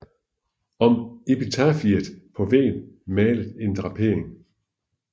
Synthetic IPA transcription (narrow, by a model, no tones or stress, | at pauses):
ɒ̽me̝pit͡sʰɑfid̥pʰɒ̽ʋɛ̰ːnmɛːləðˠe̝nd̥ʁɑ̈pʰe̝ɐ̰eŋ